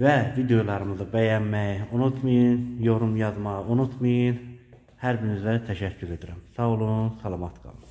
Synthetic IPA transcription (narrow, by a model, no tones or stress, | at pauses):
vævid̪ejolˠɑɾɯmɯzɯbæjænmæjunut̪ʰmɯjɯnjo̞ɾumjɑzmɑʁʔunut̪ʰmɯjɯn | hæɾbiɾimizæt̪ʰæʃæcʰːyɾe̞d̪iɾæmsɑulˠunsɑlˠɑmɑt̪ɡɑ̰mˠɯ